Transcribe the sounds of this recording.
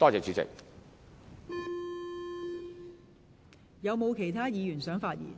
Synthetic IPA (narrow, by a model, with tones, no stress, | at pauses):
t̪ɔː˥t͡sɛː˨˥t͡ʃy˨˧˥t͡sɪ̰˨k̚ | jɐ˨˧wmo˨˧wkʰe˨˩jt̪ʰaː˥jiː˨˧ɥyː˨˩nsœː˨˥ŋfaː˧t̚jḭː˨˩n